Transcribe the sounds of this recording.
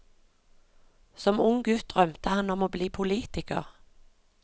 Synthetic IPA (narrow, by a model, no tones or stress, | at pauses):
sɔmʊŋɡʉt̪ʁœmt̪əhɑnɔmoːbliːpʰʊliːt̪ɪkə̰ʁ